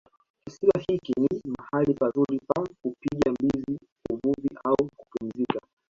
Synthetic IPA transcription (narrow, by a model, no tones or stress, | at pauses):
kisiahikinimahalipazuɾipakupiɠambizi | uvuviʔauku̥pum̩zika